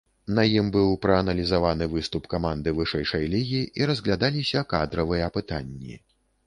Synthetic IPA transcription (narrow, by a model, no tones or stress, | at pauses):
nɐjimbɨwpɾɐːnɐlʲizavanɨvɨst̪upkamand̪ɨvɨʂɛjʂɐjlʲiɣʲiʔiɾɐzɣlʲad̪alʲisʲɐkad̪ɾɐvɨjɛɐpɨt̪anʲːḭ